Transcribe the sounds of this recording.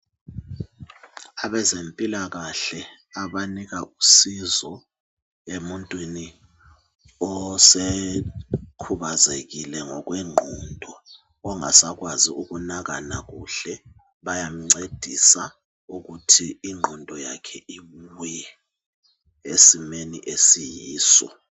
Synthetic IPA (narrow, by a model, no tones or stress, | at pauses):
aβɛzempʼilaɣaɬɛ | aɓaniɣ̬aʔusizɔ | emuntʼwini | ɔse | kʰuβazekilɛŋɔk̬wɛŋ͡ǃʱɔndʱɔː | ŋa̰saɣwaziuɣunaɣanaɣuɬɛ | βajam̩ŋ͡ǀed̥ʱisa | uɣutʰiːŋ͡ǃʱɔndʱɔjakʰɛiuwɛ | esimenḭʔesijiːsɔ̰